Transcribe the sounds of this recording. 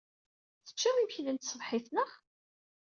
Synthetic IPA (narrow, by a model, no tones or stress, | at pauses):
θə̥t͡ʃːæmimçlənt̪sˤəðħɪθnəχ